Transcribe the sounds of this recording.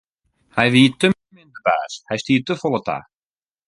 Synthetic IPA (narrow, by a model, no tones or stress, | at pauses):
hajʋiːt̪ømmɪnd̪əba̰ːshajstiːtəfɔlˠət̪a̰ː